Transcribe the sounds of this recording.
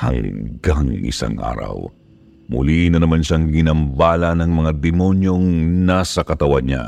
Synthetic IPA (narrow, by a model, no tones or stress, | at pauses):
hɐ̰ŋɡaŋ̰ŋʔɪ̰sa̰ŋʔa̰ːɾɐ̰w | mʊ̰linɐnɐmanʃaŋɡɪnɐmbalɐnɐŋmɐŋad̪ɛmo̞njo̞ŋnasɐkɐt̪ɐwad̪̚ɲa̰